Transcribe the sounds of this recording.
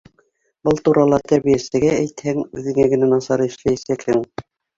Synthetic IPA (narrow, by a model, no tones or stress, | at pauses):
bɤlˠt̪uɾɑlˠɑt̪æɾβijæsɘ̆ɡææjt̪hæŋʉðɘ̆ŋæɡɘ̆nænɑsɑɾɤɘ̆ʃlæjæsækhɘŋ